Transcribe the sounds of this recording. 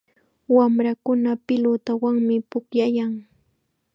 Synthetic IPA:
wamɾakʊnapɪlot̪awaŋmɪpʊkjajaŋ

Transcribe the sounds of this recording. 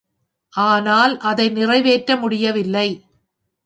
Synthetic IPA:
ʔaːnaːlʔɐðɐɪnɪrɐɪʋeːʈɾɐmʊɽɪjɐʋɪlːɐɪ

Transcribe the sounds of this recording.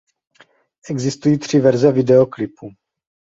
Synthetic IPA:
ʔɛɡzɪst̪ujiːt̪r̝̥ɪvɛɾzɛvɪdɛoklɪpu

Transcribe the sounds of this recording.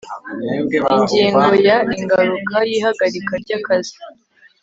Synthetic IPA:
iɲɟiːŋɡo̞jaiŋɡaɾukajiːhaɡaɾikaɾɟakazi̥

